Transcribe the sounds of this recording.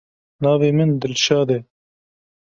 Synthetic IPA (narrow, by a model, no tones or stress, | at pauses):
nɑːveːmɨnd̪ɨlʃɑːd̪ɛ